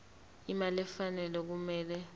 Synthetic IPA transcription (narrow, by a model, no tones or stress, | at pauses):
imalɛfanɛlɛk̬umɛːlɛ